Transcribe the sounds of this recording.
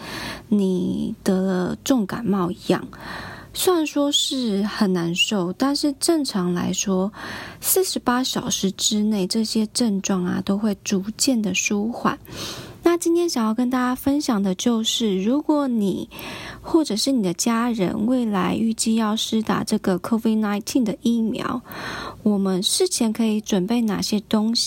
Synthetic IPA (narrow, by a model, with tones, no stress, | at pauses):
ni˨˩t̪ɤ˧˥lə˧ʈ͡ʂʊ˥˩ŋka̰˨˩nmɑ˥˩ʊi˧˦jɑ̰˥˩ŋswa˥˩nʂwɔ˥ʂɻ̩˥˩xə˨˩nna˧˥nʂo˥˩ʊt̪a˥˧nʂɻ̩˥˧ʈ͡ʂə˥˩ŋʈ͡ʂʰɑ˧˥ŋla̰˧˥ɪʂwɔ˥s̩˥˩ʂɻ̩˧˥pa˥ɕjɑ˨˩ʊʂɻ̩˧˥ʈ͡ʂɻ̩˥ne˥˩ɪʈ͡ʂɤ˥˨ɕjɛ˥ʈ͡ʂə˥˧nʈ͡ʂwɑ˥˩ŋɐ̰˩t̪o˥ʊxwe˥˩ɪʈ͡ʂu˧˥t͡ɕjɛ˥˩nd̪ə˩ʂu˥xwa̰˨˩˦nna˥˨t͡ɕi˥nt̪ʰjɛ˥nɕjɑ˨˩ŋjɑ˥˩ʊkə˥nt̪a˥˩t͡ɕja˥fə˦nɕjɑ˨˩ŋd̪ə˩t͡ɕjo˥˧ʊʂɻ̩˥˩ɻu˧˥kwɔ˧˦ni˨˩xwɔ˥˩ʈ͡ʂɤ˨˩ʂɻ̩˥˩ni˨˩d̪ə˦t͡ɕja˥ɻə̰˧˥nwe˥˩ɪla˧˥ɪʔy˥˧t͡ɕi˥˧jɑ˥˩ʊʂɻ̩˥t̪a̰˨˩ʈ͡ʂɤ˥˩ɡə˩kʰo˥vi˥˩d̚na˧˥ɪt̪ʰi˥˧nd̪ə˨˩ʔi˥˩mjɑ̰˧˥˦ʊwɔ˨˩mə˨˦nʂɻ̩˥˩t͡ɕʰjɛ˧˥nkʰɤ˧˥i˧˥ʈ͡ʂwə˨˩npe˥˩ɪna̰˨˩ɕjɛ˥t̪o˥ŋɕi̥˨